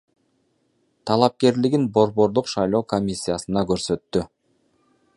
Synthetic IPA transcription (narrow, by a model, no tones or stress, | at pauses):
t̪ʰɑlˠɑp̚ke̞ɾliɡinbo̞ɾβo̞ɾd̪uqʃɑjlˠo̞ːko̞mʲisʲːijasɯnɑkø̞ɾsø̞t̪ːy